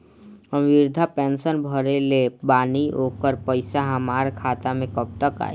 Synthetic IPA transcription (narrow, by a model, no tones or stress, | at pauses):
əʋɪɾd̪ʱapɛ̃ːnsənbʱəɾelebaːnioːkəɾpəɪsaɦamaːɾkʰaːt̪amẽkəp̚t̪əka̰ːi